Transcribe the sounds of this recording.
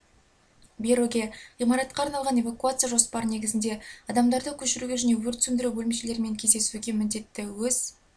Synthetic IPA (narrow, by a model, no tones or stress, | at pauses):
bʲeɾoɡʲe̞imɑɾɑt̪̚qɑːɾnɑlˠʁɑne̞vakuat̪sɨjaʒo̞spɑɾəne̞ɡʲɪzɪnd̪e̞ɑd̪ɑmd̪ɑɾd̪əkʲʰɵʃɪɾuɡʲe̞ʒʏne̞wɵɾt̪sʏnd̪ɪɾubɵlɪmeʃe̞le̞ɾme̞ŋkʲʰe̞zd̪e̞suɡʲe̞mɪnd̪e̞t̪ːɪwɵz̥